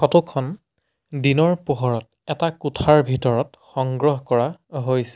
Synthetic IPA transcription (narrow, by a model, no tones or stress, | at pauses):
xɔtukʰɔn | dinɔɹpoɦɔɹɔt | ɛtakutʰaɹbʱitɔɹɔt | xɔŋɡɹɔɦkɔɹaɦojsɛ̥